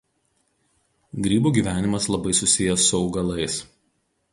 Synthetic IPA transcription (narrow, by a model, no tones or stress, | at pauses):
ɡɾʲiːbuːɡʲiːˑʋʲæːnʲɪmɐslˠɐbɐɪsʊsʲɪjɛsʊɒʊɡɐlˠɐɪs